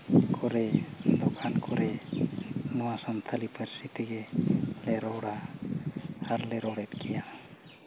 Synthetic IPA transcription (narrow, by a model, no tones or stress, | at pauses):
kʰɔɾɛd̪ɔkʰankʰɔɾɛ | nɔwasamt̪ʰalipʰɛɾsit̪iɡɛlɛɾɔɽa | aɾlɛɾɔɽɛt̪̚kɛja